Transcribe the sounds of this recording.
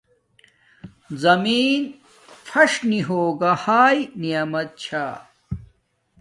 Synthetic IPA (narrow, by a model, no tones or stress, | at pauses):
zɐmiːn | fʰɐʂniɦoːɡahaːjnijɐmɐt̪̚t͡ɕʰaː